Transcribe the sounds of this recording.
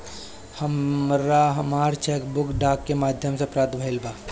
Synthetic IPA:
həmɾaɦəmaːɾt͡ʃʰeːkbʊkɖaːkːemaːd̪ʱjəmsepɾat̪bʱəɪlbaː

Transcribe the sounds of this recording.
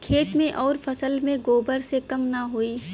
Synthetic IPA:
kʰeːt̪mẽʔɔːɾfʰɐsəlmẽɡoːbəɾsekɐmnɐɦoːiː

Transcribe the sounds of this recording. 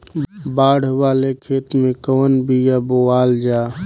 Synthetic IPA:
baːɽ̤waːlekʰeːt̪mẽkɔːnbʱijaboaːld͡ʒaː

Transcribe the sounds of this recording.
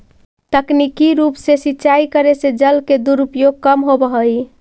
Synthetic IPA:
t̪əknikiɾupsesitːt͡ʃaikəɾesed͡ʒəlked̪uɾupjoɡ̚kəmɦobəɦəj

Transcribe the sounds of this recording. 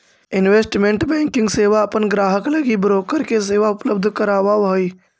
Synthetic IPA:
ɪnʋeːsʈmẽɳʈbɛ̃ːŋkɪ̃ŋɡseːʋaɐpənɡɾaːɦəklɐɡibɾoːkəɾkes̬eːʋaʊpləbd̪ʱkəɾaːʋaʋoiː

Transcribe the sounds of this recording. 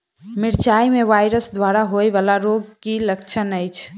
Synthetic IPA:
miɾt͡ʃajmeʋajɾəsd̪waɾaɦojbalaɾoɡ̚kiləkt͡ʃʰənəjt͡ʃʰ

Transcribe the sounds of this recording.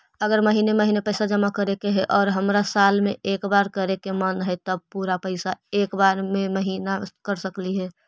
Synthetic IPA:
əɡəɾməɦiːneməɦiːnepəɪsad͡ʒəmakəɾekeɦɛʔɔːɾɦəmɾasaːlmẽʔeːkbaɾkəɾekemənɦɛt̪əb̚puɾapəɪsaeːkbaɾmẽməɦiːnakəɾsəkliɦɛː

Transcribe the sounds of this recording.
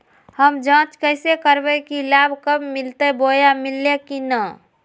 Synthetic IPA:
həmd͡ʒãːt͡ʃkəɪsekəɾbəkilabʱkəbmilt̪əbojamilːekinə

